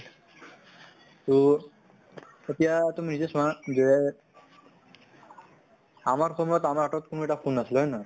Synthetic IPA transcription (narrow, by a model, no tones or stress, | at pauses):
t̪u | etijat̪uminizesɔazɛ | amaɹkʰɔmɔjɔt̪amaɹɦaʈɔt̪̚kʰunueʈakunasilɦɔjna